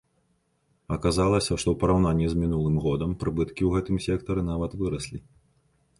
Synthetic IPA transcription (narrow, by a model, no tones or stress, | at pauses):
ɐkazalˠɐsʲɐʂt̪ɔwpɐɾawnanʲːizʲmʲinulˠɨmɣɔd̪ɐmpɾɨbɨt̪kʲiwɣɛt̪ɨmsʲɛkt̪ɐɾɨn̪avɐt̪vɨɾɐsʲlʲi